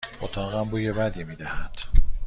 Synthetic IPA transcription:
ʔot̪ʰɒːɣæmbuːjebæd̪iːmiːd̪æhæd̪̥

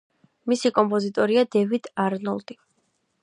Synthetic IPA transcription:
misikʼɔmpʼɔzit̪ʼɔɾiad̪ɛvid̪aɾnɔlˠd̪̥i

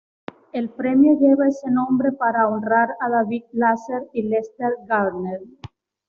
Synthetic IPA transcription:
elpɾɛmjoɣeβaesenõmbɾepaɾaonraɾaðaβik̚laseɾilest̪eɾɡalneɾ

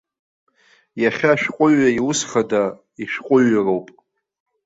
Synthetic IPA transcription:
jaχʲaʃᶣqʷʼʊɥaiʊsχada | iʃᶣqʷʼʊɥarowpʼ

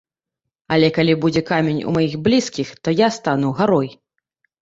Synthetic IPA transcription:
ɐlʲɛkalʲibud͡zʲɛkamʲenʲṵmajiɣblʲiskʲixt̪ɔjast̪anuɣaɾɔj

